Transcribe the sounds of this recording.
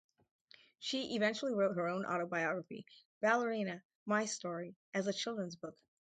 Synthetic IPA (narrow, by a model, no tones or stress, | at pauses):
ʃiʔɨvɛ̃nt͡ʃl̩ˠiɹoʊt̚ɦə˞õʊ̃nʔɑ̰ɾoʊbaɪɑɡɹəfḭ | b̥ælˠə˞ĩnɨ | maɪstɔɹiʔɨzɨt͡ʃʰɪlˠdɹə̃nzbʊk